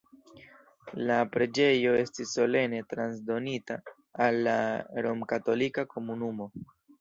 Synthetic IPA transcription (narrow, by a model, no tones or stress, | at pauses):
lapɾe̞d͡ʒe̞jo̞e̞stisːo̞le̞ne̞tɾans̬do̞nitaː | lːaɾo̞mkato̞likako̞munumo̞